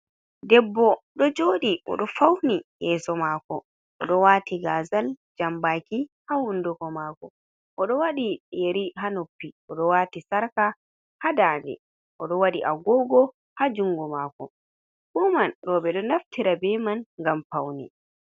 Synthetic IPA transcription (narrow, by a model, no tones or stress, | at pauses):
dɛbːɔɗɔd͡ʒoːɗiʔɔ̰ɗɔfawnijɛːsɔmaːkɔ̰ | ʔɔɗɔwatiɡaːzald͡ʒambakihahundukɔmaːkɔ | ʔɔɗɔwaɗijeɾiɦanopːiʔɔɗɔwaːtisaɾka | hadaːndɛ̰ | ʔɔɗɔwaɗiʔaɡɔɡɔ | had͡ʒuŋɡɔmakɔ | bɔmanɾɔbɛɗɔnaftiɾabɛmanŋɡamfawnḭ